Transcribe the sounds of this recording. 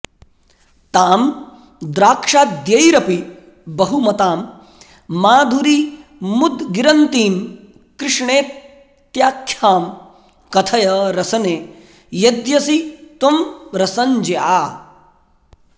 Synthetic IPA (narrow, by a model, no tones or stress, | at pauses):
t̪aːm | d̪ɾaːkʂaːd̪jɐjɾɐpi | bɐɦumɐt̪aːmː | aːd̪ʱuɾimud̪ɡiɾɐnt̪iːm | kɾɪʂɳeː | t̪jaːkʰjaːm | kɐt̪ʰɐjɐɾɐsɐneː | jɐd̪jɐsit̪ɐmɾɐsɐɲd͡ʒeaː